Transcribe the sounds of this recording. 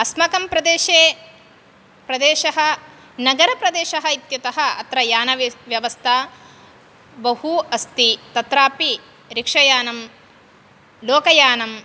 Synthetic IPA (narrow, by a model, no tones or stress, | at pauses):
ɐsmɐkɐmpɾɐd̪eːʃeː | pɾɐd̪eːʃɐɦɐ̆ | nɐɡɐɾɐpɾɐd̪eːʃɐɦɐit̪jɐt̪ɐɦɐ̆ɐt̪ɾɐjaːnɐʋjɐʋɐst̪ʰa | bɐhuɐst̪it̪ɐt̪ɾaːpi | ɾikʂɐjaːnɐm | loːkɐjaːnɐm